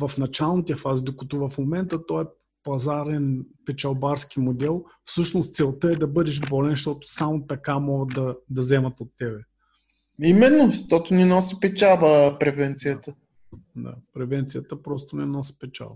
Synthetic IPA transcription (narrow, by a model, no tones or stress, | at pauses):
vɐfnɐt͡ʃalˠnit̪iəfazid̪okɐt̪ɔvɐfmomɛnt̪ət̪ɔɛ | pɐzaɾɛnpɛt͡ʃɐlˠbaɾsk̟imod̪ɛlˠ | fsɤʃnost̪sɛlˠt̪əɛd̪ɐbɤd̪ɛʃbɔlɛnʃt̪ɔt̪ʊ̥samot̪ɐkamɔɡəd̪d̪ɐd̪ɐzɛmɐt̪ot̪ːɛbɛ | imɛnːoʃt̪ɔt̪ʊnɛnɔsipɛt͡ʃavəpɾɛvɛnt̪sijət̪ə | d̪a̰pɾɛvɛnt̪sijət̪əpɾɔst̪onɛnɔsi̥pɛt͡ʃa̰və